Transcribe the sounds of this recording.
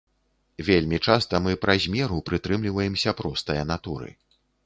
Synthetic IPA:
vʲelʲmʲit͡ʂast̪ɐmɨpɾɐzʲmʲɛɾupɾɨt̪ɾɨmlʲivɐjɛmsʲɐpɾɔst̪ɐjɐnat̪uɾɨ̰

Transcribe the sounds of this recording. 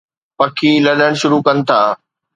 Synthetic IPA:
pɐkʰilɐɗəɽ̃ʃʊɾukɐnɪ̆t̪ʰaː

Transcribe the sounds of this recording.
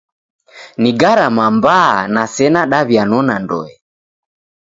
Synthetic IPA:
niɡaɾamambaanasɛnaɗaβjanɔnandɔ̰ɛ

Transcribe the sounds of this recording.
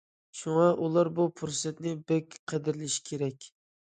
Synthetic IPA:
ʃuŋɑʔulˠɑɾbupʰuɾsɛt̪nɪbɛkʲqʰəd̪ɪɾɪlɪʃi̥kʲʰeɾɛkʲ

